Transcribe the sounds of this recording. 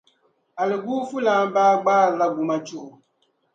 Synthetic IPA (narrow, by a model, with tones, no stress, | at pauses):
a˨lɪ˨ɡuː˦fu˦laː˦n˦baː˦ɡ͡baː˦ɾla˦ɡu˨ma˦t͡ʃʊ˦ʔʊ˨